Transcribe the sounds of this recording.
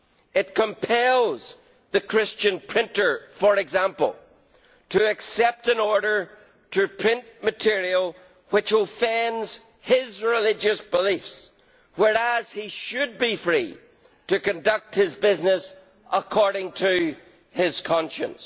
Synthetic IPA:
ɪt̚kʰə̃mpʰɛlˠz | ðəkʰɹ̥ɪst͡ʃɨ̃npʰɹ̥ɪ̃ntə˞fə˞ɨɡzãmpə̰l̩ˠ | tʰɨɨksɛp̚tə̃nɔɹɾə˞ | ɾɨpʰɹ̥ɪ̃nʔmɨtʰɪɹiəl̩ˠ | wɨt͡ʃəfɛ̃ndz̥ | ɪzɹɪlɪd͡ʒɨsb̥əlifs | wɛɹəz̥hiʃɨd̚bifɹi | ɾɨkɨ̃ndʌk̚t̚hɪzbɪznəs | ʔəkʰɔɹɾɪ̃ŋtʰɨ | ɪz̥kʰɑ̃nʃɨ̰̃ns

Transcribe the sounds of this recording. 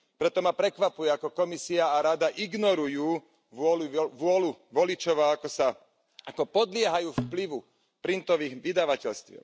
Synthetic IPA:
pɾɛt̪ɔmapɾɛkʋapujɛakɔkɔmisiaːɾad̪aʔiɡnɔɾujuː | ʋɔluʋʊɔluʋɔlit͡ʃɔʋaːakɔsa | akɔpɔd̪lɪɛɦajuːfpliʋu | pɾint̪ɔʋiːɣʋid̪aʋacɛʎst̪ʋjɛ̰

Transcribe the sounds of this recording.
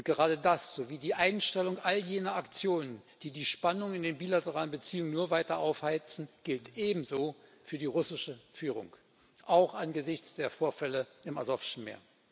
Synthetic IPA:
ʔʊntɡ̥əʁaːdədasz̥oːviːdiːʔaɪnʃtɛlʊŋʔaljeːnɐakt͡sjoːnənd̥iːdiːʃpanʊŋɪndeːnbiːlatəʁaːlənbət͡siːʊŋənuːɐvaɪtɐʔaʊfhaɪt͡sn̩ɡ̥ɪltʔeːbm̩zoːfyːɐdiːʁʊsɪʃəfyːʁ̞ʊ̰ŋ | ʔaʊxʔanɡəzɪçt͡sd̥eːɐfoːɐfɛləɪma̰zɔfɪ̥ʃn̩mḛːɐ

